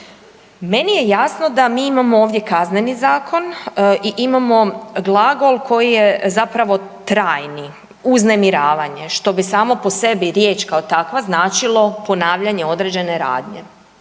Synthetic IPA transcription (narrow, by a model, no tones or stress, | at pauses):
me̞nije̞jasno̞d̪amiːimamooːʋd̪je̞kazne̞nizaːkʰo̞nʔiʔimamo̞ɡlˠaɡo̞lˠkʰo̞jijezapɾaʋo̞t̪ɾaːjni | uzne̞miɾaːʋaɲe̞ʃt̪o̞bisaːmo̞po̞se̞biɾje̞ːt͡ʃkaot̪akʋaznaːt͡ʃilˠo̞po̞naːʋʎaɲe̞o̞d̪ɾed͡ʑe̞neɾa̰ːd̪ɲe̞̰